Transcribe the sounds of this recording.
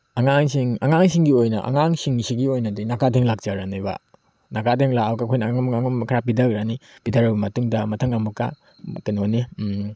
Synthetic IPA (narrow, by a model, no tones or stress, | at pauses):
aŋaŋsiŋɐ̰ŋaŋsiŋɡiojnɐ̰ʔa̰ŋaŋsiŋsiɡiojnɐdinakadʰeŋlak̚t͡ʃaɾaniba̰ | nakadʰeŋlaawkakʰojnamaŋmkʰɾap̬idɐkɾanipidaɾɐwbɐmɐtuŋdɐmɐtʰɐŋamuka̰ | kɯnoni